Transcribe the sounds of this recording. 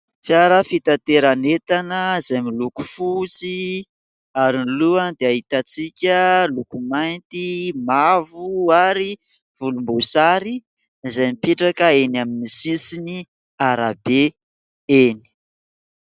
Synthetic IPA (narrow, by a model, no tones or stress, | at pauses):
fjaɾəfit̪at̪eɾanet̪anəzajmiluku̥fut͡si | aɾinluand̪eaɦit̪at͡sikʲəlukumajnt̪imavuaɾi | v̥ulumbusaɾi | zajmipiʈ͡ʂakəenaminisisini | aɾabe | eni̥